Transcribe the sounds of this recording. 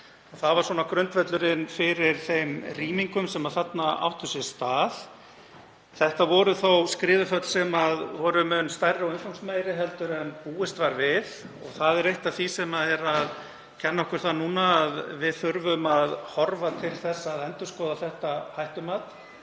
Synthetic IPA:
ɔθaðvaɾ̥swɔːnakɾʏnt̪vɛt̪lʏɾɪnfɪɾɪɾ̥θejmriːmiŋkʏmsɛmaðθat̪naa̰wht̪ʏsɛ̥st̪aːð | θɛht̪avɔɾʏθowskɾɪːvʏfœt̪l̥sɛmaðvɔɾʏmʏnst̪ajrːɪɔwɪnfawŋsmeːjɾɪɦɛlt̪ʏɾœnpuːɪst̪vaɾvɪð | ɔ̰ɣθaðɛɾejht̪aθisɛmaðɛɾað | cʰɛnːaɔhkʏɾ̥θanuːnaːðvɪðθʏɾvʏmaðhɔɾvat̪ʰɪlθɛsːaðɛnt̪ʏ̥skɔːðaθɛht̪ahajht̪ʏmat̪

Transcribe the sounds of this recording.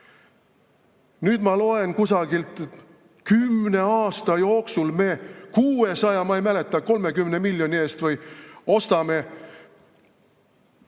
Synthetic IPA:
nyːd̪̥mɑlo̞e̞nkusɑɡ̥ilt̪ˑ | kymne̞ɑːst̪ɑjo̞ːksulme̞ːkuːe̞sɑjɑmɑijmæle̞t̪ːˑɑko̞lme̞kymne̞milʲːjo̞nʲie̞ːst̪vɤjo̞st̪ɑme̞

